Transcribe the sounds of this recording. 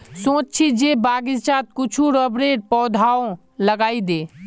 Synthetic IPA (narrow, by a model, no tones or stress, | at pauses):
sõːt͡ʃt͡ʃʰid͡ʒeːbaːɡɪd͡ʒt͡ʃaːt̪̚kʊt͡ʃʰuɾəbɾeːʈ̚pɔːd̪ʱaːõ | ləɡaːid̪eː